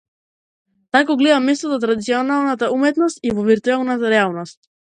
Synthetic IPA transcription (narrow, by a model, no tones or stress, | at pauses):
t̪akɔɡlɛd̪amːɛst̪ɔt̪ɔt̪ɾad̪it̪siɔnalˠnat̪aumɛt̪nɔst̪ivɔviɾt̪uɛlˠnat̪aɾɛalˠnɔst̪̚